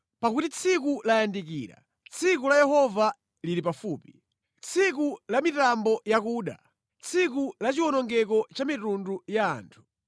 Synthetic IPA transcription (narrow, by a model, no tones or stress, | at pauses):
pakutit͡sʰikulajandikḭːɾa̰ | t͡sʰikulajɛhɔva | lilip̬afuːpi | t͡sʰikulamitambɔjakuːɗa̰ | t͡sʰikulat͡ʃiwɔnɔŋɡɛkɔt͡ʃamitunduja̰ːntʰu̥